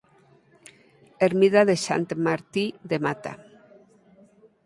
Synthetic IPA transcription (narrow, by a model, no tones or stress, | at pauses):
eɾmiðaðeʃa̰nt̪maɾt̪iðemat̪a̰